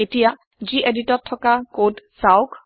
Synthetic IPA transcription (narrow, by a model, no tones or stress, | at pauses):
etija | ziʔeditɔtʰːɔkakodsawk